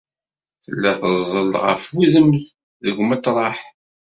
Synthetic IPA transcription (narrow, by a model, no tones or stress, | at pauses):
θəlːæθəzˤːəlʁə̰fwiðəmð | ðəɡmæt̪ɾˤɑħ